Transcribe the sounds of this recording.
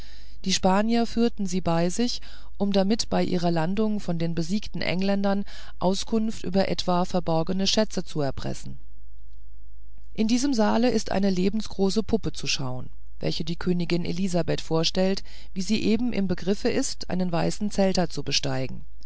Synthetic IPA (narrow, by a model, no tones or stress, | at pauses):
d̥iːʃpaːnjɐfyːɐtn̩ziːbaɪzɪç | ʔʊmdamɪtb̥aɪʔḭːʁ̞ɐlandʊŋfɔndeːnbəziːktn̩ʔɛ̰ŋlɛndɐn | ʔaʊskʰʊnftʔy̰ːbɐʔɛ̰tv̥aːfɛɐbɔɐɡənəʃɛt͡sət͡suɛɐpʁ̥ɛ̰sn̩ | ʔɪndiːzəmzaːləɪstʔa̰ɪnəleːbm̩sɡ̥ʁoːsəpʰʊpət͡suʃa̰ʊən | vɛ̰lçədiːkʰøːnɪɡɪnʔḛlizabɛtfoːɐʃtɛlt | viːziːʔeːbm̩ʔɪ̰mbəɡʁɪfəʔɪstʔa̰ɪnənvaɪsn̩t͡sɛltɐt͡subəʃtaɪɡŋ̩